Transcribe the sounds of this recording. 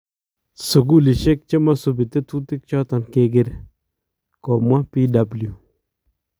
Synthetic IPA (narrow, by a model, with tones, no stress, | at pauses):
su˨ɡu˦li˨ʃe˦k̚t͡ʃe˦ma˦su˨bi˨t̪e˦tu˦t̪i˦k̚t͡ʃɔ˦t̪a˨nke˦ɡi˦ɾ | ko˨mwa˦pi˦da˨blju˨